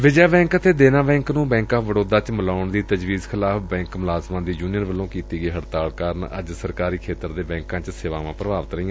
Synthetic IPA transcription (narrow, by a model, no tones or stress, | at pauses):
ʋɪd͡ʒaːbɛ̃ːŋkət̪eːd̪eːnãːbɛ̃ːŋknũːbɛ̃ːŋkãːʋəɽoːd̪aːt͡ʃməlaːʊɳd̪iːt̪əd͡ʒʋiːzkʰɪlaːfbɛ̃ːŋkmʊlaːzmãːd̪iːd͡ʒuːnijəɾʋəlːõːkiːt̪iːɡəiːɦəɽt̪aːlkaːɾənə̰d͡ʒsəɾkaːɾiːkʰeːt̪əɾd̪eːbɛ̃ːŋkãːt͡ʃseːʋaːʋãːpɾəbaːʋət̪ɾəɦĩːãː